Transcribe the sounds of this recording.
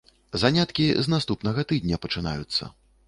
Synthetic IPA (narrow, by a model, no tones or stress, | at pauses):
zanʲat̪kʲiznast̪upnɐɣɐt̪ɨd̪̚ʲnʲɐpɐt͡ʂɨna̰jut̪sːɐ̰